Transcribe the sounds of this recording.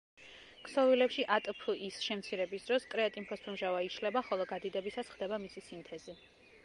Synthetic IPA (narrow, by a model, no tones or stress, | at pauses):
kʼʰsɔvilɛpʃiʔat̪ʼpʰuʔisʃɛmt̪sʰiɾɛbisd̪ɾɔskʼɾɛat̪ʼimpʰɔspʰɾmʒavaiʃlɛbaχɔlˠɔɡad̪id̪ɛbisasχd̪ɛbamisisint̪ʰɛzi